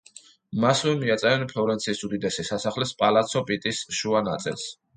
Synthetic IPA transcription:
masvɛmiat̪sʼɛɾɛnpʰlɔɾɛnt̪sʰisud̪id̪ɛsisasaχlɛspʼalat̪sʰɔpʼit̪ʼisʃuana̰t̪sʼḭlˠs

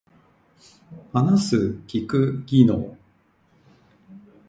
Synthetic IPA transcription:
hanasɨkʲikɯ̟ɡʲino̰ː

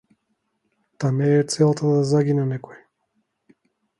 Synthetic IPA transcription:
t̪amɛt̪sɛlˠt̪ad̪azaɡinɛnɛkɔɛ

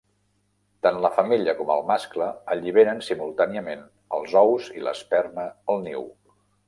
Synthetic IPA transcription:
t̪anləfəmiʎəkɔmə̰lˠmaskləəʎiβ̞eɾənsimulˠt̪aniəmen | əlˠzɔwzḭlə̰spɛrnəəlˠnḭw

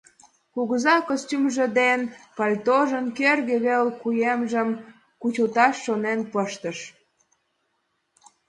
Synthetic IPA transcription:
kuɣəzɑkostʲymʒə̆d̪enpɑlʲt̪oʒənkerɣeβelkujemʒəm | kut͡ɕut̪ɑʃːonenpəʃt̪əʃ

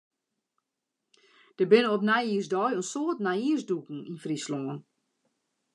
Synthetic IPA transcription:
d̥əbɪnəɔpnajiːəsdɔjənsoːtnaiəsdukŋ̩infrisloŋən

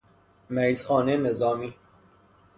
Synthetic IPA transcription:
mæizxɔːnenezɑːmiː

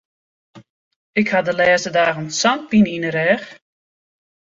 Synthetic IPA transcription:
ɪkhadəlɛːstədaːɣənsant̚pininəɾɛːx

